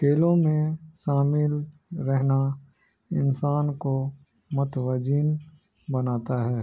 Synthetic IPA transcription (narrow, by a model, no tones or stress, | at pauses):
keːlõmẽʃaːmɪlɾɛɦna | ɪnsaːnko | mɐt̪ʋəd͡ʒiːn | bɐnaːt̪aɦɛː